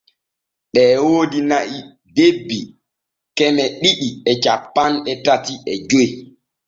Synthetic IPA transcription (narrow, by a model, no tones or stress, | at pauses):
ɗɛːwoːdinaʔi | debːi | kɛmɛɗiɗiɛt͡ʃapːanɗɛtatiɛd͡ʒoj